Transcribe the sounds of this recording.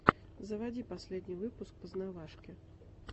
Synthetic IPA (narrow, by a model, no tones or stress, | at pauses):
zɐvad͡zʲipasʲlʲɛd̪ʲnʲivɨpusk̚pɐznavaʂkʲɛ